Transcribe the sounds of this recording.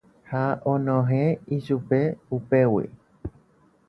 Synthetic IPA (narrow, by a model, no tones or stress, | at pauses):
haʔõnõɦẽiʃupe̞upe̞wḭ